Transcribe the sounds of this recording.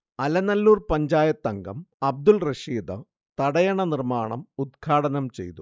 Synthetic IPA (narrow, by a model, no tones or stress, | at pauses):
ɐlɐnɐlːuːrpɐɲd͡ʑaːjɐt̪ːɐŋɡɐ̰mɐb̚d̪ulreʂiːd̪ɨ | t̪ɐɽɐjɐɳɐnirmaːɳɐmud̪̚kʰaːɽɐnɐmt͡ɕe̞̰jt̪u